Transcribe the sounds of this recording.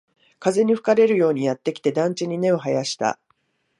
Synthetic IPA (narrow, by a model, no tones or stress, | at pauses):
kaze̞ɲ̟iɸɯ̟̥kaɾe̞ɾɯ̟jo̞ːɲ̟ijat̪ːe̞kʲi̥t̪e̞d̪ãɲt͡ɕiɲ̟ine̞o̞ɦajaɕi̥t̪a̰